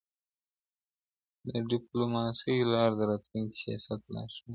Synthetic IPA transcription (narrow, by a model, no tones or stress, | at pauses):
d̪əɖɪplomɑːsijlɑːɾd̪əɾat̪miŋksijɑ̰sat̪lɑ̰ːʃu